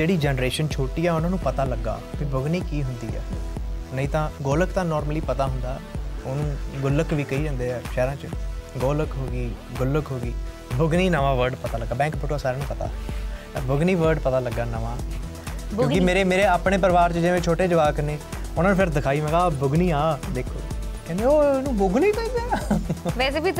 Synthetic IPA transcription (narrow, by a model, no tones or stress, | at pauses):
d͡ʒeːɽiːd͡ʒɛːnɾeːʃənt͡ʃʰoːʈiːɛːʊnãːnũːpət̪aːləɡːa̰ːbiːbʊɡniːkiːɦʊnd̪ḭːɛ̰ːnəĩːt̪ãːɡoːləkt̪ãːnɔːɾməliːpət̪aːɦʊnd̪aːoːnũːɡʊləkʋiːkəiːd͡ʒɛ̃ːnd̪eːɛːʃɛːɾãːt͡ʃɡoːləkɦoːɡiː | ɡʊləkɦoːɡiː | bʊɡniːnəʋãːʋəɾɖpət̪aːləɡːaːbɛ̃ːŋk̚bʊʈːaːsaːɾeːnũːpət̪a̰ː | bʊɡniːʋəɾɖpət̪aːləɡːaːnəʋãː | kjõːkɪmeːɾeːmeːɾeːaːpɳ̃eːpəɾəʋaːɾt͡ʃəd͡ʒeʋẽːt͡ʃʰoːʈeːd͡ʒəʋaːkəneːʊnaːnũːpʰɪɾd̪ɪkʰaːiːmɛ̃ːkãːbʊɡniːãːd̪eːkʰoː | kɛ̃ːnd̪eːoːnũːbʊɡniːt̪ãnd̪e | ʋɛːseːbiː